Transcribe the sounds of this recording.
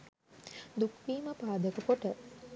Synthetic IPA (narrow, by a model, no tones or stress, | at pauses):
d̪ukʋiːməpaːd̪əkəpoʈə